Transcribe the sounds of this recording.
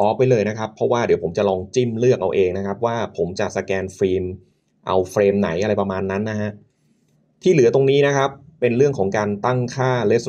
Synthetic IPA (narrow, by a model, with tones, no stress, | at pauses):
ʔɔː˦˥pːa˧jlɤː˧jna˦˥kʰa˦˥pʰːɔ˦˥waː˥˩di˨˩˦pʰo˩˦mt͡ɕa˨˩ʔlɔː˧ŋt͡ɕi˥˩mlɯ˥˩ək̚ʔa̰˧wʔeː˧ŋna˦˥kʰa˦˥p̚waː˥˩pʰo˩˦mt͡ɕa˨˩sa˧kɛː˧nfɾiː˧m | ʔa̰˧wfɾeː˧mna˩˦jʔa˧ɾa˧jpɾa˧maː˧nːa˦˥nːa˦˥ha˦˥ʔ | t̪ʰiː˥˩lɯ˩˦ɐt̪o˧ŋniː˦˥na˦˥kʰa˦˥pːe˧nɾɯ˥˩əŋkʰɔː˩˦ŋkaː˧nt̪a˥˩ŋkʰaː˥˩le˦˥s